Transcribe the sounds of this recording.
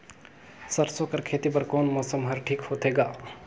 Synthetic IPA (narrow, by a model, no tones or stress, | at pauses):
səɾsokəɾkʰet̪ipəɾkoːnmɔsəmɦəɾʈʰiːkhot̪ʰɦeɡaː